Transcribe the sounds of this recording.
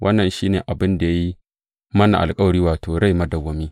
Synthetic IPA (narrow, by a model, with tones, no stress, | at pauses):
wʔɐ˦nːɐ˨nʃiː˦neː˨ʔa˨bɪ˦nda˨ja˦ji˦ | mɐ˦na̰˨ʔa̰˨lkʼɐ˦wɐ˨ɽiː˦waː˨tʰoː˨ɽa˦jmɐ˦dɐ˨ɡʷɐ˨miː˦